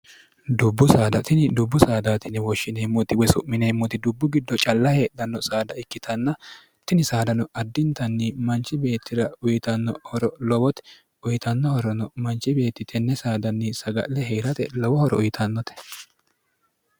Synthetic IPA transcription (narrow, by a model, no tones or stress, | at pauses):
d̪ʊbːʊsaːd̪ɐt̪ɪnɪd̪ʊbːʊsaːd̪aːt̪ɪnɪwɔʃːɪnemːɔt̪ɪwɔsʊ̰ʔmːɪnemːɔt̪ɪd̪ʊbːʊɡɪd̪ːɔt͡ʃʼɐlːɐhe̞ːd̪ɐnːɔsaːd̪ɐɪkːɪt̪ʰɐnːɐ | t̪ɪnɪsaːd̪ɐnɔʔɐd̪ːɪnt̪ɐnːɪmɐnt͡ʃːɪbe̞ːt̪ːɪɾɐʊjɪt̪ɐnːɔ̰hɔɾɔlɔwɔt̪ɛ | ʊjɪt̪ɐnːɔhɔɾɔnɔmɐnt͡ʃːɪbe̞ːt̪ːɪt̪ʰɛnːɛsaːd̪ɐnːɪsɐɡɐ̰ʔlɛɦeːɾɐt̪ɛ̰lɔwɔhɔɾɔ̰ʔʊjɪt̪ʰɐnːɔt̪ɛ̥